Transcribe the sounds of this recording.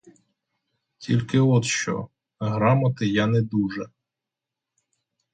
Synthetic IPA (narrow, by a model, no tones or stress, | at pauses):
tʲʰilʲkɪɔt̪ʃt͡ʃɔ̰ | ɦɾɑmɐt̪ɪjanɛd̪uʒɛ